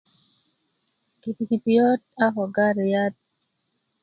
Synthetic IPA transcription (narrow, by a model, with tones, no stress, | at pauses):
ki˨pi˨ki˨pijo˦t̚a˦ɦɔ˨ɡa˦ɾi˨ja˦t̚